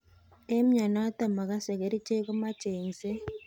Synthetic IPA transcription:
e˦m̩˦ɲa˨na˦ta˦ma˨ka˦sɛ˨ke˨ɾi˦t͡ʃe˦k̬u˦ma˦t͡ʃeː˨n˨sɛ˦

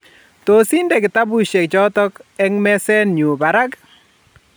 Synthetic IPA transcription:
t̪o˨si˦nde˨kɪ˨t̪a˦bu˦ʃe˨k̚d͡ʒɔ˦t̪ɔ˦kɛ˦ŋmɛ˦sɛ˦nɲu˨ba˨ɾa˦k

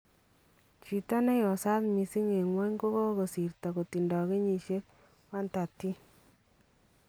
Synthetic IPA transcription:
t͡ʃi˨ta˦nɛ˦jɔ˨sa˦tmi˨si˦ŋe˨ŋwɛ˦ɲko˦kɔ˦ko˨si˨rta˨ko˨ti˨ndɔ˨ke˦ɲi˨ʃje˦k̚ | wa˦nta˨ti˦

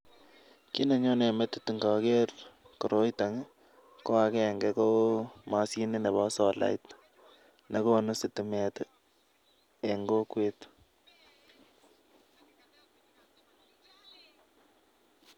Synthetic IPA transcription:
ki˦ne˨ɲo˦ne˨mɛ˦t̪ɪ̥˦tɪ˨ŋɡa˨ke˦r | ko˨ɾo˦jta˨ŋ˦ | ko˦a˨kɛ˦˨ŋɡe˨ko˦ma˨si˦ne˦ne˨βa˦sɔ˨la̰˨jt | na˦ko˦˨no˦sɪ˨tɪ˨me˨t | e˨ŋɡo˦kwet̪

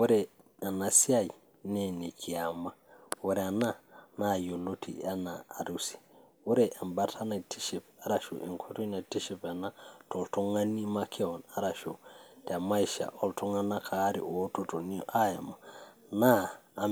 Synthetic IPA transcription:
wo˦ɾɛ˨ | a˨na˨si˦a˦j | ne˦ne˨kʰi˨a˨ma˦wo˦ɾɛ˨a˨na˦na˦˨jo˨lo˦tʰḭ˨a˦naː˨ɾu˨si̥˨ | wo˦ɾe˨ʔa˨mba˦tʰa˦na˨tʰi˦ʃi˨pa˦ɾa˨ʃo̰˨ʔḭ˨ŋkʰo˦tu˦na˨ti˦ʃi˦pa˨na˦to˨lto˦ŋa˦ni˦ma˦kʰɛ˦ɔ˨na˦ɾa˨ʃo˨ta˨ma˦i˨ʃa̰˨ʔɔ˨ltu˦ŋa˦na˦kʰa˨˦ɾḭ˨o˦to˦to˨ni˦ʔa˦ja˨ma | naː˦˨

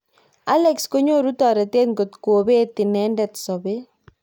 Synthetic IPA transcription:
a˦lɛksko˦ɲo˦ɾu˦tɔ˨ɾɛ˨t̪e˦ŋɡo˨t̪kuo˨be˦ti˨nɛ˦ndɛt̪sɔ˨be˦

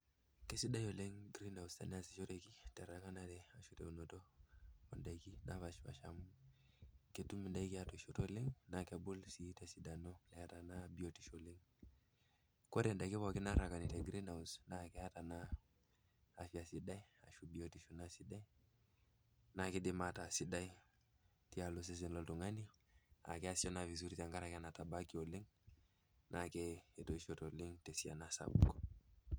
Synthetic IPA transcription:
ke˦si˦da˦jo˨le˦ŋɡɾi˦na˨u˨sta̰˨nɛ˦a˨si˨ʃo˦ɾe˨ki˦tɛ˨ɾa˨˦ŋa˦na˨dɛ˨a˨ʃu˦tḛ˨u˨no˨to˦o˨nda˨i˨ki˦na˦βa˨ʃba̰˨ʃa̰˨mu˦ | ke˨tu˦mi˨nda˦i˦ki˦a˦to˨ʃo˦to˦le˦ŋna˨ke˨bu˦lsi˨˦tɛ˨si˨da˨no˦lɛ˨a˨ta˨na˦bi˨o˨ti˨ʃo˨le˦ŋ | ko˦ɾɛ˨nda˨ki˦βɔ˨ki˦na˦ɾa˨ka˨ni˨te˨ɡɾi˦na˨u˨sna˦kɛ˦a˦ta˨na˦˨ | fi˦a˨si˨da˦i˦a̰˨ʃu˨bi˨o˦ti˨ʃu˨na˦si˨da˦i˦ | na˨ki˦dimata˨si˦da˦i˦ | ti˦a˨lo˦s̬e˦s̬ɛ˨nlɔ˦ltu˨ŋa˦ni˦a̰˨kɛ˦a˦si˦ɔ˦na˨vi˨s̬u˦ɾi˦ta˨ŋɡa˦ɾa˨ka˦na˨ta˨ba˦ki˦o˨li˦ŋ | nʔa˨kɛe˨to˨i˦ʃo˨to˨li˦ŋtɛ˨si˨a̰˨na˦sa̰˨ṵko˨

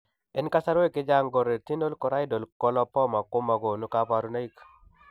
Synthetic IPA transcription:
ɛ˦nka˦sa˦ɾwe˦ke˦d͡ʒa˦ŋɡɔ˨ɾe˨ti˦no˦lkɔ˨ɾa˦i˦do˨lkɔ˦lɔ˦pɔ˦ma˨ko˦ma˨ɡo˨nu˨ka˦pa˨ɾu˦na˦i˦k

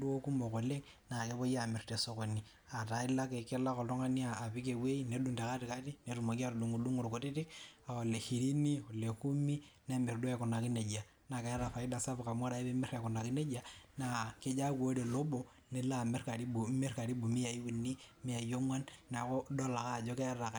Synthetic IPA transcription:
du˦o˦ku˦mo˨ko˨le˦k | na˨ke˦βo˦ja˨me˨rte˨so˦ko˨ni˨ | a˨ta˨i˦la˦ke˨ke˦la˦ko˨lto˦ŋa˦ni˦aː˨pi˦k̬e˨we˦i˦ne˨˦du˨nde˨ka˦ti˨ka˦ti˦ne˨˦ɾu˨mo˨ki˦a˦ɾdu˨ŋu˨lu˦ŋu˨ɾko˨ti˦ti˦ka˨o˨le˨hi˨ɾi˦ni˦o˨le˨ku˦mi˦ne˦me˨rdo˦e˨ku˨na˨ki˦ne˨d͡ʒa˨ | na˨ke˨˦ja˦ɾa˨fa˨i˦da˨sa˦bu˨ka˨ma˦ɾa˦i˦be˦me˦ɾe˨ku˨na˨ki˦ne˦d͡ʒa˨na˦˨ke˦d͡ʒa˦ku˨o˦ɾe˨lo˦bo˨ | ne˦la˦˨me˦rka˨ɾi˦bu˨me˦rka˨ɾi˦bu˨mi˦ja˨i˦wu˨ni˦me˦ja˨jo˦ŋwa˦nna˨ko˦do˦la˨ka˦˨d͡ʒo˦ke˦ja˦ra˨k

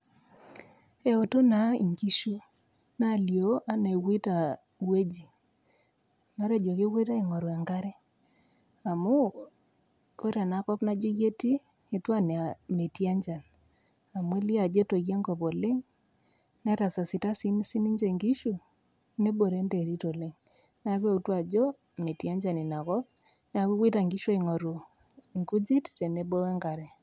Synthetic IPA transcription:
ɛ˨o˨to˦na˨ḭ˨ŋki˦ʃu˦ | na˦˨ljo˦ʔa˦ne˨wi˦ta˨ | we˦d͡ʒi˨ | ma˦ɾe˨d͡ʒwo˨ke˦we˦ɾa˦ɪ˨ŋɔ˨ɾwa˨ŋɡa˦ɾɛ˦ | a˨mo˦ | ko˦ɾa˨na˨kɔ˦pna˦d͡ʒo˦je˦tiː˦ | twa˦ne˨a˨me˨ti˦a˦ɲd͡ʒa˨l | a˨mwe˦li˦a˨d͡ʒe˦to˨ɣja˦ŋɡɔ˨po˨le˦ŋ | nɛ˦ɾa˨sa˨si˨ta˦si˦nsi˦ni˦ɲd͡ʒe˨ŋɡi˦ʃu˨ | ne˦bo˨ɾe˦nde˨ɾi˦to˨le˦ŋ | n˦a˦k̬we˦u˨twa˨d͡ʒɔ˦ | me˨ti˨a˦ɲd͡ʒa˨ni˨na˨kɔ˦p̚ | na˦ku˦kwi˦ta˨ŋɡi˦ʃo˦i˨ŋɔ˨ɾu˨ | ŋɡu˦d͡ʒi˦tte˨ne˦bo˦ɛ˦ŋɡa˨ɾɛ˨

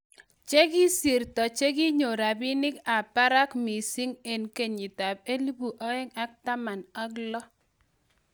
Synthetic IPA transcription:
t͡ʃe˦ɡi˦si˨ɾtɔ˨t͡ʃe˦ɡi˦ɲo˨ɾa˨bɪ˦nɪ˦ka˨pa˦ɾa˦kmi˨si˦ŋe˨nke˦˨ɲi˨ta˨b̚e˦li˦bu˨ʔɔ˦ɛ˦ŋa˦k̚ta˦ma˨na˦klɔ˦

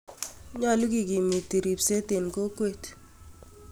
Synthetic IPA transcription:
ɲɔ˦˨lu˦ɡi˨ɡi˨mi˨ti˨ɾi˨pse˦t̪e˨nko˦kwe˦t

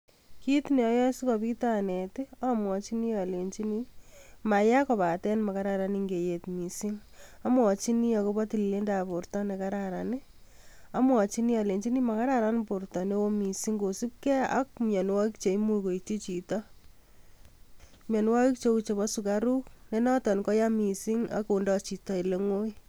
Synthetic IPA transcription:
ki˦tnɛ˨ɔ˦jɔ˦si˦kɔpi˦ta˦nɛ˨tɪ˦a˦mwɔ˨t͡ʃi˦ni˦a˨le˨ɲt͡ʃi˦nima˨ja˦kɔ˨pa˨tɛ˦nma˨kaɾa˨ɾa˨ni˦ŋɡe˨je˨tmi˨si˦n | a˦mwɔ˨t͡ʃi˦ni˦jɔ˨ko˦bɔ˦ti˨lile˦nda˨po˨ɾtɔ˦ne˨ka˦ɾaɾanɪ˦ | a˦mwɔ˨t͡ʃi˦ni˦ja˨le˨ɲt͡ʃi˦ni˦ma˨ka˦ɾaɾa˦npo˨rtɔ˨ne˦wo˦mi˨si˦ŋɡo˨si˦p̚kɛ˦a̰˦k̚mjɔ˨nwɔ˦ki˦k̚t͡ʃe˨i˦mu˦ko˨it͡ʃi˦t͡ʃi˨tɔ˦ | mjɔ˨n˦wa˦ki˦k̚t͡ʃe˦u˦t͡ʃe˨bɔ˦su˨kaɾu˦k̚ne˦nɔ˦tɔ˨nkɔ˦ja˦mi˨si˦ŋa̰˦ko˨ndɔ˦t͡ʃi˨tɔ˦i˨le˦ŋwo˦i˦

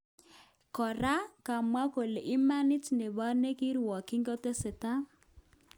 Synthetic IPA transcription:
kɔ˨ɾa˦ka˨mwa˦ko˨le˨ʔi˦ma˦nɪ˦tne˨βa˦ne˦ki˦ɾwɔ˨ki˦ŋɡɔ˦te˦se˨ta˦

